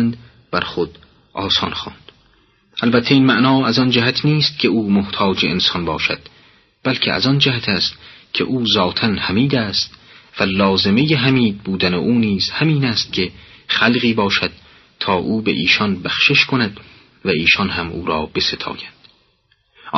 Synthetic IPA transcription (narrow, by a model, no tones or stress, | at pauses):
nd̪ | b̥æɾχod̪̥ | ʔɒːsɒnxɑ̰ːnd̪̥ | ʔælbæt̪ʰːeiːnmæʔnɒːæzɒnd͡ʒæɦæt̪ʰniːst̪̚cʰe̞uːmoht̪ʰɒːd͡ʒeensɒnbɒːʃæ̰d̪̥ | b̥ælkʰeʔæ̰zɒnd͡ʒæhæt̪ʰæːst̪kʰḛʔuːzɒːt̪ʰænhæmiːd̪æːst̪vælɒːze̞me̞jeɦæmiːd̪̚buːd̪æneʔuːniːz̥hæmiːnæst̪̚kʲʰe̞χælɣiːbɒːʃæd̪̥̚ | t̪ʰɒːʔuːbḛʔiːʃɒnbæxʃeʃkʰonæd̪ | væiːʃɒnɦæmṵːɾɒːbe̞se̞t̪ʰɒ̰ːjænd̪̥